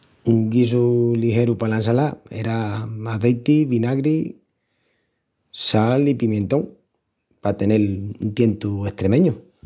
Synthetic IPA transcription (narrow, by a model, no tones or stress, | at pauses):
uŋɡis̬ulihe̞ɾupalansalae̞̰ɾamaðejt̪iβinaɣɾi | salipimje̞nt̪o̞ŋ | pat̪e̞ne̞lunt̪je̞nt̪ue̞ht̪ɾe̞mẽ̞ɲu